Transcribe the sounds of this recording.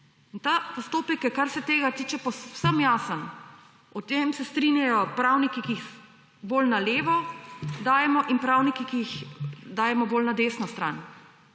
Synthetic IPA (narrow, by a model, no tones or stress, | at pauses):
int̪apɔst̪oːpɛkjɛkːaɾsɛt̪eːɡat̪iːt͡ʃɛpɔsəmjaːsən | ɔt̪emsɛst̪ɾinjajɔpɾawnikikiːx | boːlnaleːʋɔd̪aːjɛmɔʔinpɾawnikikiixd̪aːjɛmɔboːlnad̪eːsnɔst̪ɾaːn